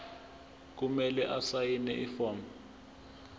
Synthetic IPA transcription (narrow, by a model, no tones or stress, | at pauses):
k̬umɛlɛʔasajinɛ̰ʔifɔːmɛ